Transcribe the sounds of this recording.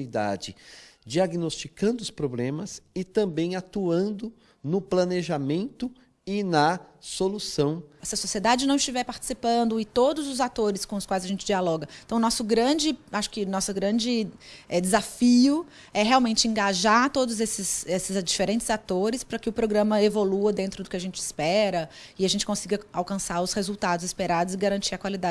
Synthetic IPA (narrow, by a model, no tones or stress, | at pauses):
id̪a̰d͡ʒɪd͡ʒiaɡinost͡ʃikɐ̃nd̪ʊʊspɾoblẽmɐsɪt̪ɐ̃mbẽj̃at̪uɐ̃nd̪ʊ | nʊplɐneʒamẽnt̪ʊ | ɪnɐsolusɐ̃w̃sɪɐsosied̪ad͡ʒɪnɐ̃w̃ɪst͡ʃivɛɾpaɾt͡ʃɪ̥sipɐ̃nd̪ʊɪt̪od̪ʊzʊzat̪oɾɪskõʊskwajzɐʒẽnt͡ʃɪd͡ʒialɔɡɐẽt̪ɐ̃w̃nɔsʊɡɾɐ̃d͡ʒɪaʃʊ̥kɪnɔsʊɡɾɐ̃d͡ʒɪɛd͡ʒɪzafiʊ | ɛɦeawmẽnt͡ʃɪẽŋɡaʒaɾt̪od̪ʊzesɪzesɪzd͡ʒifeɾẽnt͡ʃɪz̥at̪oɾɪspɾɐkɪʊpɾoɡɾɐ̃mɐevoluɐd̪ẽnt̪ɾʊd̪ʊkɪaʒẽnt͡ʃɪɪspɛɾɐ | ɪaʒẽnt͡ʃɪkõsiɡɐawkɐ̃saɾʊshezuwt̪ad̪ʊzɪspeɾad̪ʊzɪɡaɾɐ̃nt͡ʃiɾɐkwalid̪a